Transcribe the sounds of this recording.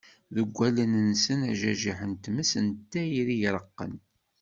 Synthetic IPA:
ðəɡʷːælənənsənæʒæʒiħənt̪məsənt̪ːæjiɾijɾəqːə̰n

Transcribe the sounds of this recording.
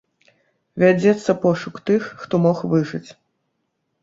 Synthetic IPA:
vʲad͡zʲɛt̪sːɐpɔʂukt̪ɨxːt̪ɔmɔxvɨʐɨt͡sʲ

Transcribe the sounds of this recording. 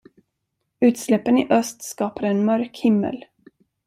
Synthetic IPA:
ʉ̟ːt̪slɛpːənɪʔœst̪skɑːpad̪əɛnmœɾkhɪmːə̰l

